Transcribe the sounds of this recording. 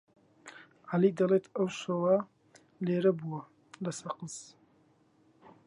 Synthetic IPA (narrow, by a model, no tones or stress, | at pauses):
ʕalid̪ɐlet̪ʰɐwʃɐwɐ | leːɾɐbuwɐ | lɐsɐqəz